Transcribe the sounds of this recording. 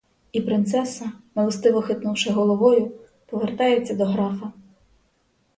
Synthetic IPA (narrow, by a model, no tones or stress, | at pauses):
ipɾɪnt̪sɛsɐmɐlˠɔst̪ɪʋɔxɪt̪nuwʃɪɦɔlˠɔʋɔjʊ | pɔʋert̪ɑjet͡sʲːɐd̪ɔɦɾɑfɐ